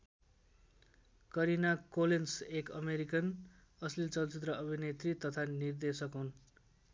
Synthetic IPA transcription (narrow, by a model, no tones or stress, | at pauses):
kʌɾinakolensekʌ̰meɾikʌn | ʌslit͡sʌlt͡sit̪rʌʔʌbʱinet̪rit̪ʌt̪ʰanird̪esʌkɦun